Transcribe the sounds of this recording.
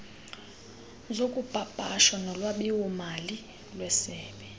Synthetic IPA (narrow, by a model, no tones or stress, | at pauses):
zokʼub̥ʱab̥ʼʱaʃwanɔlwaɓiwumali | lwɛsɛːɓɛ